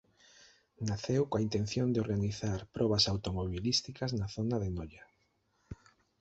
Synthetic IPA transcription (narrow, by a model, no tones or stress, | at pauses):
naθewkoaint̪ẽn̟θjond̪eoɾɣaniθaɾpɾʔɔβasawt̪omoβilist̪ikɐznaθonaðenɔʎa